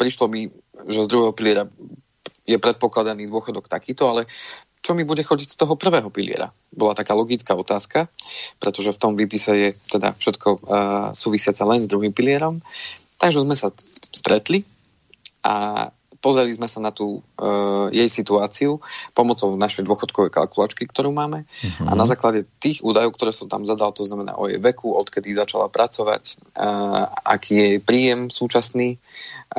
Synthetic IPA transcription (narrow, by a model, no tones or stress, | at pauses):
pɾiʃlɔmi | ʒɛzd̪ɾuɦɛːɦɔpilɪɛɾa | jɛpɾɛt̪̚pɔklad̪aniːd̪ʊɔxɔd̪ɔkt̪akiːt̪ɔalɛ | t͡ʃɔmibuɟɛxɔɟicst̪ɔɦɔpr̩ʋɛːɦɔpilḭɪɛ̰ɾa̰ | bɔlat̪akaːlɔɡit͡skaːɔt̪aːskapɾɛt̪ɔʒɛft̪ɔmʋiːpisɛjɛt̪ɛd̪a̰fʃɛt̪kʰɔsuːʋisɪat͡salɛnzd̪ɾuɦimpilɪɛɾɔmt̪aɡʒɛzmɛsast̪ɾɛt̪li | ʔa̰ | pɔzɾɛlizmɛsanat̪uː | jɛjsit̪uaːt͡siupɔmɔt͡sɔʊnaʃɛjd̪ʊɔxɔt̪kɔʋɛjka̰lkula̰ːt͡ʃkikt̪ɔɾuːmaːmɛa̰nazaːklaɟɛt̪iːɣuːd̪ajɔʊkt̪ɔɾɛːsɔmt̪a̰mzad̪alt̪ɔznamɛna̰ːʔɔ̰jɛ̰jʋɛkuɔt̪kɛd̪izat͡ʃala̰pɾʔat͡sɔʋa̰c | ʔa̰kʰiːjɛjpɾiːjɛmsuːt͡ʃasniː